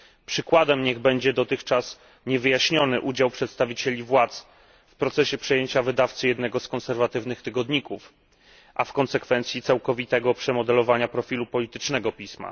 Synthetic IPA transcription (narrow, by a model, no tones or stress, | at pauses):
pʂɘkwad̪ɛmɲɛɣbɛɲd͡ʑɛd̪ɔt̪ɘxt͡ʂas | ɲɛvɘjaɕɲɔnɘʔud͡ʑawpʂɛt̪st̪avʲit͡ɕɛlʲivwat̪s | fpɾɔt̪sɛɕɛpʂɛjeɲt͡ɕavɘd̪aft̪sɘjɛd̪nɛɡɔskɔnsɛɾvat̪ɘvnɘxt̪ɘɡɔd̪ɲikuf | ʔafkɔnsɛkfɛnt̪sʲjit̪sawkɔvʲit̪ɛɡɔpʂɛmɔd̪ɛlɔvaɲapɾɔfʲilupɔlʲit̪ɘt͡ʂnɛɡɔpʲisma̰